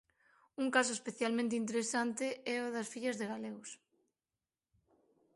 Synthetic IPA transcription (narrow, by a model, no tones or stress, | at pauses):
uŋkas̬oespeθjalmẽnt̪̬eint̪̬eɾesant̪eɛoðɐsfiʎɐzðeɣaleɣʊs